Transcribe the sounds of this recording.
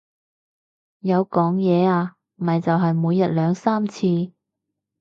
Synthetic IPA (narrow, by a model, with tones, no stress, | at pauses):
jɐ˨˧wkɔː˨˥ŋjɛː˨˧aː˧ | m̩˨ɐ˨jt͡sɐ˨wɦɐ˨jmuː˨˧jːɐ˨t̚lœː˨˧ŋsaː˥mt͡sʰiː˧